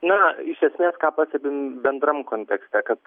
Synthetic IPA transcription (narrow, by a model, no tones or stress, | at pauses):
nɐɪʃʲɛsʲmʲeːskaːpɐsʲɛbʲɪbʲɛnd̪ɾɐmkonʲt̪ʲɛksʲt̪ʲɛkɐt̪